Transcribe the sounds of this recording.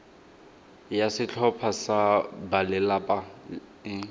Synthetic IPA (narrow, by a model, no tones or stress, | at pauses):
jasɪt͡ɬʰɔpʰasabalɛlapʼa